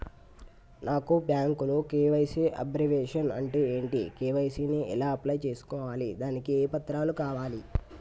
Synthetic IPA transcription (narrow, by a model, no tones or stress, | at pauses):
naːkubjaːŋkulokeːʋɐjsiʔɐ̰bɾɐʋeːʂɐnɐ̰ɳʈeːeːɳʈḭkeːʋɐjsiːniʔɛ̰laːɐplɐjt͡ʃe̞ːsu̥kɔːʋaːlid̪aːnikieːpɐt̪ɾaːlukaːʋaːli